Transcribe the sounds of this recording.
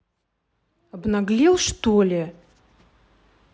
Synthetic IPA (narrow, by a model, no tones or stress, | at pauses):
ɐbnɐɡlʲilˠʂt̪olʲɪ